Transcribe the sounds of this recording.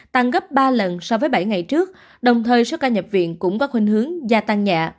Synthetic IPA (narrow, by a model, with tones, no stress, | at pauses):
t̪a˧ŋɣə˦˥p̚ɓaː˧lə˨˩nsɔ˧wvəː˨˦jɓa˧˩jŋa˨˩jt͡ɕɨ˦˥ək̚ | ɗə˨˩wŋ͡mt̪ʰəː˨˩jso˦˥kaː˧ɲə˨˩p̚vḭ˧˨ənkʊ̰˧˥ŋ͡mkɔ˨˦xwï˧ŋ̟hɨ˨˦əŋzaː˧t̪a˧ŋɲa̰ː˧˨